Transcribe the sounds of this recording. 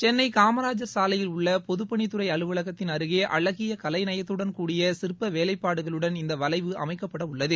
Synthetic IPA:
t͡ʃɛnːɐɪkaːmɐɾaːd͡ʒɐɾsaːlɐjɪlʊɭːɐpɔðɯpːɐɳit̪ɯrɐɪɐɭɯʋɐɭɐɣɐt̪ːɪnɐɾɯɣeːʔɐ̰ɭɐɣɪjɐkɐlɐɪnɐjɐt̪ːɯɽɐnkuːɽɪjɐsɪɾpːɐʋeːlɐɪpːaːɽɯɣɐɭɯɽɐnɪnd̪ɐʋɐlɐɪʋɯʔɐ̰mɐɪkːɐpːɐɽɐʊɭːɐðɯ

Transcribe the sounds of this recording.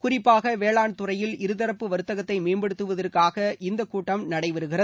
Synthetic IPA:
kʊrɪpːaːɣɐʋeːɭaːɳt̪ʊrɐjɪlɪɾɯðɐɾɐpːɯʋɐɾɯt̪ːɐɣɐt̪ːɐɪmeːmbɛɽɯt̪ːɯʋɐðɐrkaːɣɐʔɪnd̪ɐkːuːʈːɐmnɐɽɐɪʋɐɾɯɣɪrɐð

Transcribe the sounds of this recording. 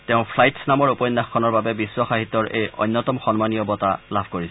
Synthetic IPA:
tɛʊ̃pʰlajtsnamɔɹupɔjnːaxkʰɔnɔɹbabɛbisːwɔxaɦit̪ːɔɹʔḛjɔ̰jnːɔtɔmxɔnmanijɔbɔtalabʱkoɹis

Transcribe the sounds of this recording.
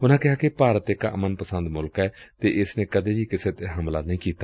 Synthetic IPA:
ʊnãːkɪɦaːkipaːɾət̪ekaə̰mənpəsə̃nd̪mʊlkɛːt̪eːʔɪsnẽːkəd̪eːbiːkɪseːt̪eɦəmla̰ːnəĩːkiːt̪aː

